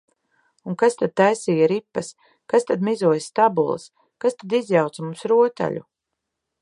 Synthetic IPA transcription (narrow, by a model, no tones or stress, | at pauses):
uŋkast̪ad̪̚t̪ajsiːjaɾipːas | kast̪ad̪mizuɔjst̪abulˠə̰s | kast̪ad̪izjawt̪smumsɾuɔt̪a̰ʎʲu